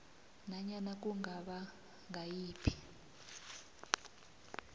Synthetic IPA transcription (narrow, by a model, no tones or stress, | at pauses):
naɲanak̬ʼuŋɡaɓa | ŋajiːpʰi̥